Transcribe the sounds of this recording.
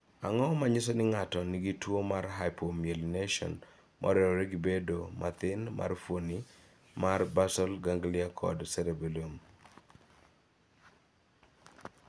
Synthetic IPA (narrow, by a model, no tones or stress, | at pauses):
aŋɔmaɲɪsɔnɪŋatɔnɪɡitwomarɦajpomielneʃɔ̰n | mʔɔ̰ɾɛɾɔɾeɡibedomʔat̪ɪnmʔa̰rfoni | marbasɔlɡaŋɡlɪakʰɔ̰dsɛɾebelom